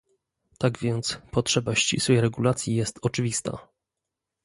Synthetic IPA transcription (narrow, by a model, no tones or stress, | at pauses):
t̪aɡvʲjɛnt̪spɔtʂɛbaɕt͡ɕḭswɛjɾɛɡulat̪sʲjijɛst̪ɔt͡ʂɘvʲist̪a̰